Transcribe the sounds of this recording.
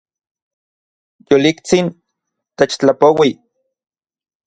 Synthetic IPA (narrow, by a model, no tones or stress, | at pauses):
jolikt͡sin | t̪et͡ʃt͡ɬapowi